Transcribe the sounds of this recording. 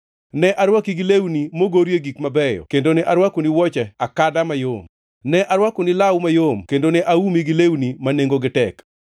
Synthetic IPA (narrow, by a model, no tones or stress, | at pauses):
nɛʔaɾwakiɡilewnimoɡoɾjeɡikmabɛjɔ̰kendonɛʔaɾwakoniwɔt͡ʃɛakadamajom | nɛʔaɾwakonilawmajomkendonɛʔaumiɡɪlewnimaneŋɡoɡɪtɛk